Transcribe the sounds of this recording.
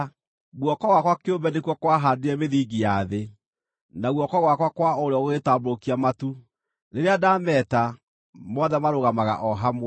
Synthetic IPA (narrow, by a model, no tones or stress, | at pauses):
ɣwɔkɔɣwakwakeobɛnekwɔkwaɦadeɛmeðiːɡijaðe | naɣwɔkɔɣwakwakwaoɾeɔɣetabokiamatu | ɾeɾeadamɛːta | mɔðɛmaɾoɣamaɣa̰ʔɔɦam